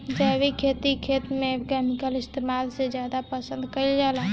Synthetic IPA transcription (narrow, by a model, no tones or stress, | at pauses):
d͡ʒabikʰet̪ikʰet̪mekemikəlist̪emalsed͡ʒjad̪apəsə̃nd̪kəild͡ʒalã